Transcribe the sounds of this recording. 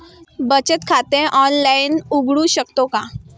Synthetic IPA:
bət͡ɕət̪kʰat̪ẽʔɔnlainuɡɽũɕəkt̪oka

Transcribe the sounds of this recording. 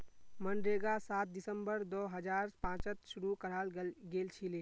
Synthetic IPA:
mənɖɾeɡasaːt̪̚d̪ɪsə̃mbəɾd̪oɦəd͡ʒaːɾpãːt͡ʃət̪ʃʊɾukəɾalɡeːlt͡ʃʰileː

